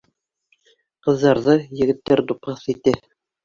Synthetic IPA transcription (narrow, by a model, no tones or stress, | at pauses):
qɤ̆ðːɑɾðɤjɘ̆ɡɘ̆t̪ːæɾd̪upʁɤθit̪ɘ